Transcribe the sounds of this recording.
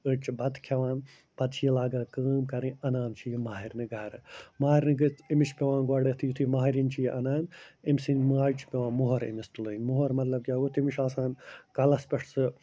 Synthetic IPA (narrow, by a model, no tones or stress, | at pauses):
ɨt͡ʃbɐd̪kʰɐʋaːn | b̥ɐd̪t͡ʃʰijilaːɡaːkəːmkɐɾĩɐnaːnt͡ʃʰijimaːɦiɾʲnɨɡɐɾɨmaːɦiɾʲnɨɡɨt͡simiʃpʲeʋãːnɡwɐɽet̪ʰijut̪ʰimaːɦiɾint͡ʃʰijiʔɐnaːnimsinmaːt͡ʃʰpʲeʋãːnmuɦɐɾḭmist̪ulɐinmuɦɐɾmɐt̪lɐb̚ɡʲaːɡut̪ʰimiʃaːsaːnkɐlɐspʲɐʂʰsɨ